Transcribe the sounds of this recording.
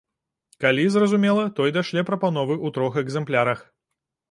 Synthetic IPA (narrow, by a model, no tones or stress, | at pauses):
kalʲizrɐzumʲɛlˠɐt̪ɔjd̪aʂlʲɛpɾɐpanɔvɨʔut̪ɾɔxɛɡzɛmplʲaɾɐx